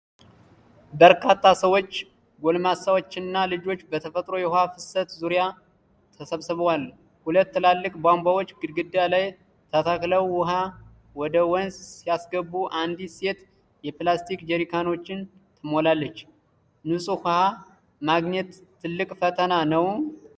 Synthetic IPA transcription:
bəɾkʰat̪ʰːasəwo̞t͡ʃː | ɡolmasawot͡ʃːɪnːalɨd͡ʒo̞t͡ʃːbət̪ʰəfət̪ʼɾo̞jɛhohafɨsət̪zuɾja | t̪ʰəsəβsɨβwal | hulət̪ːɨlalːɨkʼbambawo̞t͡ʃːɡɨd̪ɡɨd̪ːjalaj | t̪ʰat̪ʰakləwːʊɦa | wɔd̪əwɔnssijasɡəbːuʔand̪ise̞t̪ | jɛplast̪ʰikd͡ʒɛɾikʰano̞t͡ʃːɪn | t̪ʰɨmolalːət͡ʃː | nɨsʼuhha | maɡɲɛt̪ʰː | ɨlːɨkʼfət̪ʰənanəw

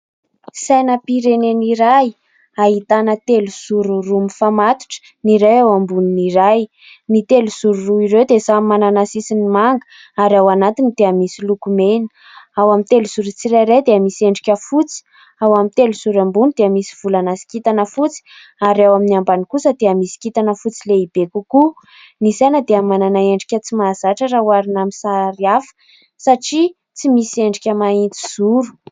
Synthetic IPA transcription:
sajnəpiɾeneniɾaj | aɦit̪anət̪eluzuɾurumifamat̪u̥ʈ͡ʂə̥ | niɾewawambuniniɾaj | nit̪eluzuɾuruiɾewd̪esamːananasisinimaŋɡə̥ | aɾawanat̪inid̪̥eəmisilukumen̥ | awamint̪eluzuɾut͡siɾaɾed̪eamisieɳɖ͡ʐukʲəfut͡si̥ | awamint̪eluz̥uɾambunid̪eamisi̥v̥ulanasi̥kit̪anəfut͡si̥ | aɾiawaminiambanikusəd̪eamisi̥kit̪anəfut͡sileib̥ekuku | misanəd̪eamananaeɳɖ͡ʐikʲət͡simazaʈ͡ʂəɾawaɾinamisaɾiafə̥ | saʈ͡ʂi | t͡simisieɳɖ͡ʐikʲəmaint͡s̪i̥z̥uɾu̥

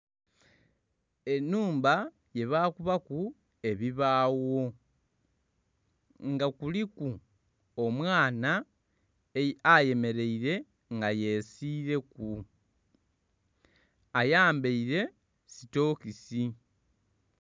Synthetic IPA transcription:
e̞nuːmba | je̞βaːkuβaku | e̞βiβaːwo̞ | ŋɡakuliku | omwaːna | aje̞me̞ɾe̞iɾe̞ | ŋɡaje̞siːɾe̞ku | ajaːmbeiɾe̞ | sito̞ːkisi

